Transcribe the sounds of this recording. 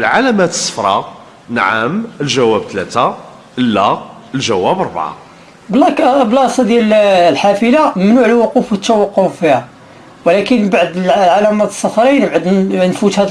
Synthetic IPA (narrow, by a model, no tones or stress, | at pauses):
lʕalæmæt̪ə̥sˤːə̥fɾˤɑ | nʕa̰məlʒæwæb̚t̪læt̪a | ʔəlːæ | əlʒæwæbɾˤbʕa̰ | blɑkblɑsˤɑd̪jællħafəlamnuʕəlwʊqufwət̪ːæwɑqːoffihæ | wlækənbaʕd̪əlʕalæmæt̪ə̥sˤːɑfɾˤinbʕəd̪nfut̪hæd̪